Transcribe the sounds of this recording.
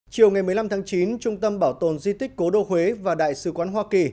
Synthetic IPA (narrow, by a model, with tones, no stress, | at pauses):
t͡ɕi˨˩əwŋa˨˩jmɨ˨˩əla˧mt̪ʰaː˨˦ŋt͡ɕi˨˦nt͡ɕʊ˧ŋ͡mt̪ə˧mɓaː˧˩wt̪o˨˩nzi˧t̪ï˦˥k̟ko˨˦ɗo˧hwe˨˦vaː˨˩ɗa̰ː˧˨jsɨ˨˦kwaː˨˦nɦwaː˧ki˨˩